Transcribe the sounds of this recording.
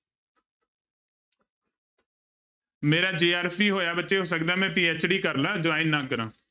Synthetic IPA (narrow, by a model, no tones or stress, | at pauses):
meːɾaːd͡ʒeːaːɾpʰiːɦoːjaːbətːʃeːɦoːs̬ək̚d̪aːmɛ̃ːpiːɛt͡ʃɽiːkəɾlaːd͡ʒoʋaːɪ̃nnːãːkəɾãː